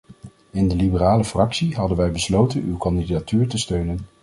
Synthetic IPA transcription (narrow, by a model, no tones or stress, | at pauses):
ɪndəlibəraːləfrɑksiɦɑdənʋɛjbəslowtənywkɑndidatyːɹtəstøɥnən